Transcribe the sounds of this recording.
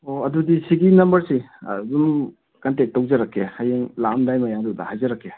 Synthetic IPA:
oɐdudisiɡinɐmbɐɾsḭdum | kantek̚tːowzɐɾakːehajeŋlamdajmajadudɐ̰hajzɐɾakʰːe

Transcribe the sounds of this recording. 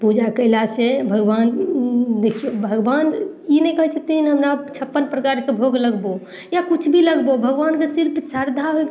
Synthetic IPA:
pud͡ʒakəɪlasebʱəɡband̪ekʰijobʱəɡbaninɛkəɦɛt͡ʃʰət̪iinɦəmɾat͡ʃʰəpːənpɾəkaɾkebʱoɡləɡbo | jakut͡ʃʰbʱiləɡbobʱəɡbankesiɾpʰsaɾd̪ʱaɦo

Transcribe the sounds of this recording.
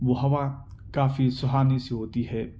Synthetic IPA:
ʋoɦɐʋakaːfisʊɦaːnisiɦoːt̪iɦɛː

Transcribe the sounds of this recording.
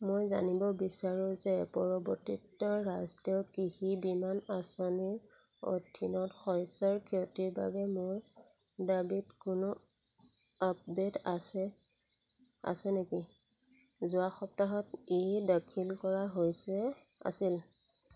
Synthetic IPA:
mojza̰nibɔbisaɹuzɛpɔɹɔbɔɹtitːɔɹastɛʊkihibimanasɔniɹo̰dʱinɔtxɔjsɔɹkʰetiɹba̰bɛmʊɹdabitkʊnʊ | ap̚detasɛ | a̰sɛneki | zʊaxɔp̚taɦɔtejdakʰilkɔɹaɦojsɛa̰sil

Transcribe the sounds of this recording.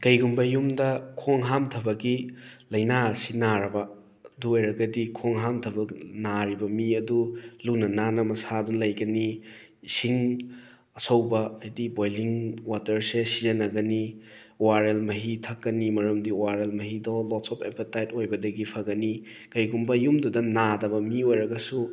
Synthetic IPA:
kɐjɡumbɐjumdɐkʰoŋɦamtʰɐbɐɡilɐjnasinaɾɐbɐ | duojɾɐɡɐdikʰoŋɦamtʰɐbɐnaɾibɐmiɐdulunɐnanɐmɐsadunlɐjɡɐni | siŋ | ɐsɐwbɐɐjdibojliŋwatɐɾsesizɐnɐɡɐni | waɾelmɐɦitʰɐkːɐnimɐɾɐmdiwaɾelmɐɦidɔlɔtsɔpʰepɐtajtojbɐdɐɡipʰaɡɐni | kɐjɡumbɐjumdɔdɐnadɐbɐmiojɾɐɡɐsu

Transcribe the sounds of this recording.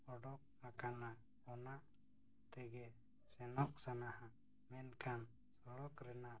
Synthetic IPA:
ɔɽɔk̚akana | ɔna | t̪ɛɡɛ | sɛnɔʔ̚sanahã | mɛnkʰan | sɔɽɔkɾɛnaʔ

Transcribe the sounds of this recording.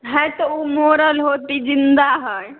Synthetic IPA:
ɦɛ̃jt̪ɔumoɾəlɦoːt̪id͡ʒind̪aɦɔ

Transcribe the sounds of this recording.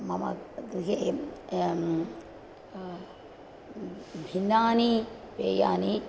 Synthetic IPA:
mɐmɐ̰dɾiɦe | bʱinːaːni | peːja̰ːni

